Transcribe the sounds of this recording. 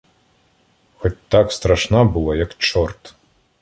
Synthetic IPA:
xɔt͡sʲt̪ːakst̪ɾaʂnabɨlˠajɐkt͡ʂɔrt̪

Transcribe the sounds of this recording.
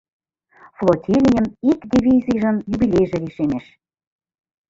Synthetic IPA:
flˠotʲilʲijənikd̪ʲiβʲizijʒə̆njuβilʲejʒĕliʃemeʃ

